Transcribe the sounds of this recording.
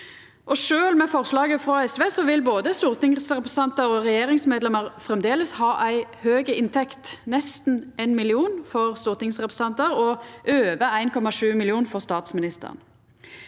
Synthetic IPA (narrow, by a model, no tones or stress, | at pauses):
ʔɔʂøːlmɛfɔʁslɑːɡəfʁɔɛsʋeːsɔʋɪlboːd̪əst̪uːʁt̪ɪŋsʁɛpʁəsɑnt̪əɾɔʁɛjeːɾɪŋsmeːd̪lɛməʁfʁɛmd̪eːləshɑːʔæɪhøːɡəɪnt̪ʰɛkt̪nɛst̪nʔeːnmɪlɪuːnfɔʁst̪uːʁt̪ɪŋsʁɛpʁəsɑnt̪əɾɔʔøːʋəæɪnkʰɔmɑʂʉːmɪlɪuːnfɔʁst̪ɑːt̪smɪnɪst̪ə̰ʁn